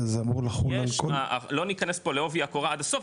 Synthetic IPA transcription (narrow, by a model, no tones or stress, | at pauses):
zamʁulaχujleakaalo̞nikane̞spo̞leo̞viakoʁaadaso̞f